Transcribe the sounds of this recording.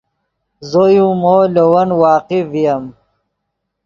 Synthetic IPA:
zojũmoːlowɐnwaːqivijɐm

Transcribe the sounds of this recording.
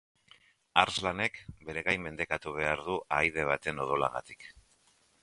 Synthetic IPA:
aɾzlane̞kbe̞ɾe̞ɣajmːe̞nd̪e̞kat̪uβ̞e̞aɾðuʔajð̞e̞β̞at̪e̞no̞ð̞o̞la̰ɣ̞a̰t̪i̥k

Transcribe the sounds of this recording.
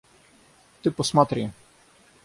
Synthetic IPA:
t̪ɪpɔsmat̪ɾʲijɛ

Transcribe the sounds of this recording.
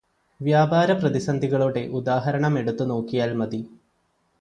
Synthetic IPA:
ʋjaːbaːɾɐprɐd̪isɐnd̪ʱiɣɐɭuɽe̞ʔud̪aːɦɐɾɐɳɐme̞ɽut̪ːuno̞ːkːijaːlmɐd̪i

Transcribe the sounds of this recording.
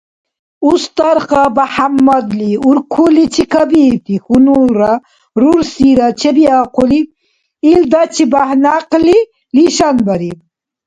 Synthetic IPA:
ust̪aɾχabaħamːɐd̪liuɾkʰulit͡ʃʰikʰɐbit̪ixunuɾa | ɾuɾsiɾat͡ʃʰebiaːquliː | ld̪at͡ʃʰibahnaqli | liʃanbɐɾi

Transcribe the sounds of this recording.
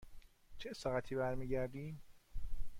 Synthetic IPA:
t͡ʃʰesɒːɣæt̪ʰiːbæɾmiːɟæɾd̪iːm

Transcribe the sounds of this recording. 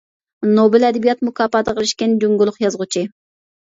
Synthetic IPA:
nobɪlɛd̪ɪbijɑt̪mukʰɑːpɑːd̪əqʰəlˠɪʃkʲɛnd͡ʒoŋɡulˠʊχjɑzʁʊt͡ʃʰi

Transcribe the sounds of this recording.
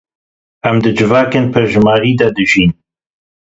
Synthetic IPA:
æmd̪ɨd͡ʒɨvɑːkenpʰɨɾʒmɑːɾiːd̪ɐd̪ɨʒiːn

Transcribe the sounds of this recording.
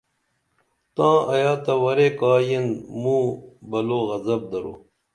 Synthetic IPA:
t̪ãːʔɐjaːt̪ɐwɐɾekaːjɐnmũːbɐloːɣɐzɐb̚d̪ɐɾo̰ː

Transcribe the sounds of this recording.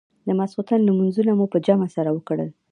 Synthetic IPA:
d̪əmasut̪anlamunzunamopəd͡ʒamasaɾawəkɽəl

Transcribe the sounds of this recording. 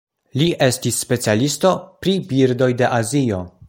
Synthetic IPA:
liʔe̞stisːpe̞t͡sialisto̞pɾibiɾdo̞jde̞ʔazio̞

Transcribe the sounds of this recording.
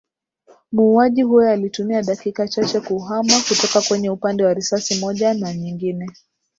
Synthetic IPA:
muːaʄihujɔalitumiaɗakikat͡ʃat͡ʃɛkuɦamakutɔkakwɛɲɛupandɛwaɾisasimɔʄanaɲiŋɡinɛ

